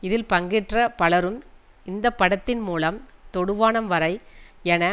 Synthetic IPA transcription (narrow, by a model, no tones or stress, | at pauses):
ɪðɪlpɐŋɡɪʈrɐpɐɭɐɾɯm | ɪnd̪ɐpːɐɽɐt̪ːɪnmuːlɐmt̪ɔɽɯʋaːnɐmʋɐɾɐɪɛnɐ